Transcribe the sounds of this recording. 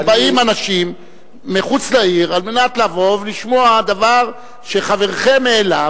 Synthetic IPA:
baimanaʃimː | eχut͡slaiʁalme̞natlavo̞vliʃmoad̪avaʁ | ʃe̞χave̞ʁχemːeːla

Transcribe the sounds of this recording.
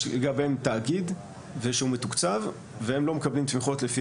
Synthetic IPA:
eɡabemt̪aːɡid̪ | veʃeumetukt͡sav | vehemlo̞mekablimt̪miχo̞tlefi

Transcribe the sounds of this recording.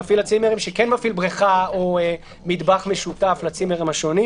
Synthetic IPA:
afilat͡simeʁimʃekenmafilbʁiχaoe | mid̪baχme̞ʃut̪aflat͡simeʁimaʃoni

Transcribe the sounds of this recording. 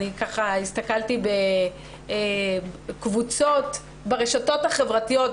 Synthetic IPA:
ikaχaistakaltibe | kvut͡so̞t | beʁeʃato̞thaχe̞vʁatijo̞t

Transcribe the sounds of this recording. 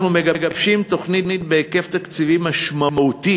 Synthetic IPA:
nume̞ɡaɡabʃimt̪o̞χnitnit̪̚beːke̞ft̪akt͡sivimaʃmamaut̪i

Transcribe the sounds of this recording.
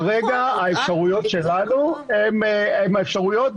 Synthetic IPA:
ʁe̞ɡaaefʃaʁujo̞t̪ʃe̞lanuememaefʃaʁujo̞t̪

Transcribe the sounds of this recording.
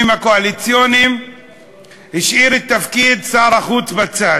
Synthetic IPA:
mhakoalit͡sjonim | hiʃʔiʁet̪ːafkid̪saːʁaχut͡sbat͡sa

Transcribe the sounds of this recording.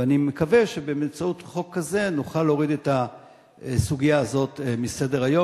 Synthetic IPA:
animekave̞ʃebe̞memt͡saut̪χo̞kːaze̞nuχalːo̞ʁid̪e̞ta | suɡijaːzo̞t̪mise̞d̪eʁajo̞

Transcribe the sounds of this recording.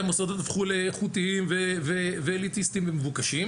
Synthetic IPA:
mosad̪ot̪afχuleχut̪iimveveveːlit̪ist̪imvemevukaʃim

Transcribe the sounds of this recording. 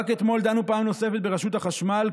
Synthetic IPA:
ket̪mo̞ld̪anupaːmno̞se̞fet̪be̞ʁaʃut̪aχaʃmal

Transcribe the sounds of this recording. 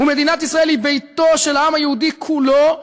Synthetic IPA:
ume̞d̪inat̪isʁaʔelibejt̪o̞ʃelaamhajehud̪ikʰulo

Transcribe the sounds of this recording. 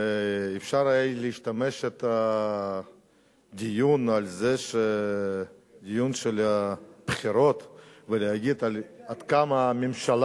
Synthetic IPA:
ifʃaɾajejliiʃt̪ameʃet̪a | d̪ijunalzeʃe | d̪ijunʃelab̥χiɾo̞t̪veleaɡid̪alad̪kamamimʃal

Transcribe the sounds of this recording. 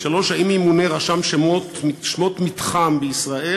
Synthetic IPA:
ʃalo̞ʃaimimuneʁaʃamʃemot̪miʃmot̪mit̪χambeisʁaʔe

